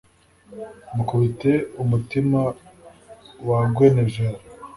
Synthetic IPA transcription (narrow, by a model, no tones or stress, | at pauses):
mukuβiteumutima | waɡwe̞neʒeɾa